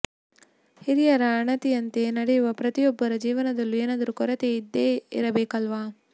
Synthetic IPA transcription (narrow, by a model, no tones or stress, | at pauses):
hiɾijɐɾɐːɳɐt̪iɐnt̪enɐɽejuʋɐpɾɐt̪ijɔbːɐɾɐd͡ʒiːʋɐnɐd̪ɐlːueːnɐd̪ɐɾukɔɾɐt̪eːid̪ːeːḭɾɐbɛːkɐlʋaː